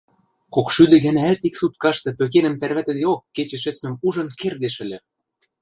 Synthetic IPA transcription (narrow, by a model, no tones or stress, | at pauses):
kokʃyd̪ɘ̆ɣæ̆næælt̪iksut̪̚kɑʃt̪ɤ̆pøk̬enə̆mt̪ærβæt̪ɘ̆d̪eokːet͡ɕĕʃɘ̆t͡smɘ̆muʒɤ̆nkerd̪eʃɘ̆lʲĕ